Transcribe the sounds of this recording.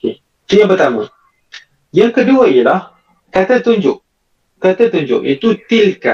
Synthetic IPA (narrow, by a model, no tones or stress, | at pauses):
oke | t̪uãpərt̪amã | jaŋkəduaiəlah | kat̪at̪uɲd͡ʒʊʔ | kat̪at̪uɲd͡ʒʊ̰ʔḭt̪ut̪ilka̰